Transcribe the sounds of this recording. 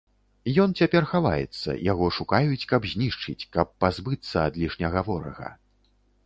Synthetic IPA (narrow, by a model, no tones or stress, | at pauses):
jɔnt͡sʲapʲɛrxava̰jɛ̰t̪sːɐ̰jaɣɔʂukajut͡sʲkɐbzʲnʲiʂt͡ʂɨt͡sʲkɐpːazbɨt̪sːɐɐd̪lʲiʂnʲɐɣavɔɾɐ̰ɣɐ̰